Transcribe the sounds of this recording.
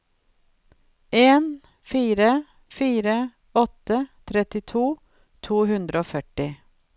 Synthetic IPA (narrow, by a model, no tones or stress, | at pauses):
ʔeːn | fiːɾə | fiːɾə | ɔt̪ət̪ʰɾɛt̪ɪt̪ʰuː | t̪ʰuːhʉnd̪ɾəoːfœʈɪ